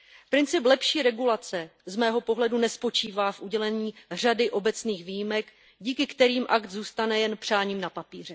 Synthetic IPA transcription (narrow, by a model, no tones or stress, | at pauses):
pɾɪnt͡sɪplɛpʃiːɾɛɡulat͡sɛzmɛːɦo̞po̞ɦlɛdunɛspo̞t͡ʃiːvaːfʔuɟɛlɛɲiːr̝adɪʔo̞bɛt͡sniːxviːjɪmɛk | ɟiːkɪkt̪ɛɾiːmʔakt̪zuːst̪anɛjɛnpr̝̥aːɲiːmnapapiːr̝ɛ